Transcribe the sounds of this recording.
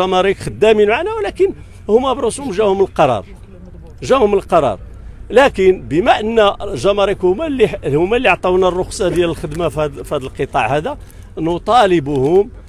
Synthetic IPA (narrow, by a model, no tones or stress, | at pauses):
ʒɑmɑɾikxəd̪ːæminmʕaʕnæwlækən | hʊmːæbɾˤoshʊmʒæhʊməlqɑɾˤɑ̰ɾˤ | ʒæhʊməlqɑɾˤɑ̰ɾˤ | lækənbəmæʔənːæʒɑmɑɾikhʊmælːiħhʊmːælːiʕt̪ˤɑwnærˤːoxsˤɑd̪jæləlxəd̪mæfhæd̪əlqət̪ˤɑʕhæd̪æ | nʊt̪ˤɑləbʊhʊm